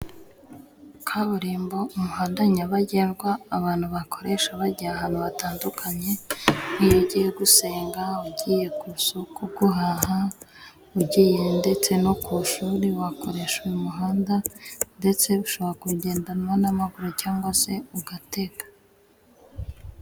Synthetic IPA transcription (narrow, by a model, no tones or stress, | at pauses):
kʰaβuɾiːmbo̞umuhaːndaɲaβaɟeːnɡwaːβaːn̥huβakʰo̞ɾe̞ʃaβaɟijaɦaːn̥huβataːndukʰaɲe̞nijoɟiːjeɡuse̞ːŋɡauɟiːje̞kusokuɡuɦaːɦa | uɟiːje̞nde̞t͡se̞no̞kuʃuːɾiwako̞ɾe̞ʃweumuɦaːndande̞t͡se̞uʃo̞βoɾakuɟe̞ːndanwanamaɡuɾocaːŋɡwase̞uɡate̞ɡḁ